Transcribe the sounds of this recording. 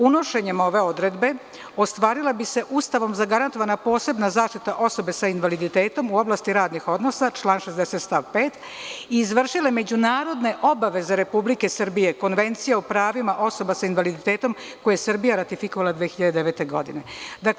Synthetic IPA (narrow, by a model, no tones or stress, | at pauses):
uno̞ʃe̞ɲemo̞ʋe̞o̞d̪ɾe̞d̪be̞ | o̞st̪ʋaːɾilabise̞ʔust̪aʋo̞mzaɡaɾant̪oʋanapo̞ːse̞bnazaːʃt̪it̪aʔo̞so̞be̞sainʋalid̪it̪e̞ːt̪o̞muo̞blˠast̪iɾaːd̪nixo̞d̪no̞sat͡ʃlaːnʃezd̪eset̪st̪aʋpeːt̪ | iːzʋrʃile̞me̞d͡ʑunaːɾo̞d̪ne̞ʔo̞baʋe̞zeɾe̞publike̞sr̩bije̞ko̞nʋe̞nt̪sijeupɾaːʋimaʔo̞so̞basainʋalid̪it̪eːt̪o̞m | ko̞jesər̩bijaɾat̪ifikoʋalˠad̪ʋeexiʎad̪ed̪eʋet̪eɡo̞̰d̪ḭne̞d̪ak